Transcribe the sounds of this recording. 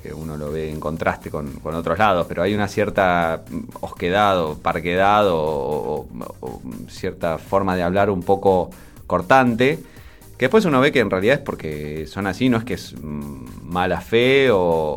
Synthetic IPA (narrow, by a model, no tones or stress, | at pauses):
kḛuno̞lo̞βeːŋko̞nt̪ɾʔast̪eko̞nko̞not̪ɾozlað̞o̞speɾoajunasjeɾt̪a | ohkeðaðopaɾkeð̞aðo | sjeɾt̪afo̞ɾmaðeaβ̞laɾumpo̞ko̞ | ko̞ɾt̪ant̪e | keðepwes̬uno̞βekeːnrealiðaepo̞ɾkeso̞nasino̞ehkees | malafeo